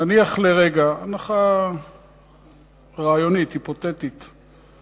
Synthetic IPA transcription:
naniaχleʁeɡaanaχa | ʁaːjo̞nithipo̞t̪et̪it̪

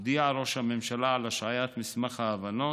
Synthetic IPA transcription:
d̪iaʕɾo̞ʃhamemʃalaʕalaʃʕajat̪mismaχhaːvano

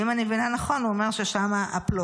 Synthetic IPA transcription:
imanevinanaχo̞nuome̞ʁʃeʃamaaplo

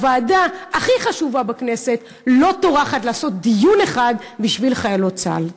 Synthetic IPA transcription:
vaːdaaχiχaʃuvabakne̞se̞t̪ | lo̞toʁaχatlaːso̞t̪̚d̪ijune̞χad̪biʃvilχajalot͡sa̰l

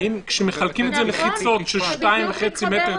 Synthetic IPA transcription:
inkʃemeχalkimetzeleχit͡so̞t̪ʃeʃtaimveχet͡simete

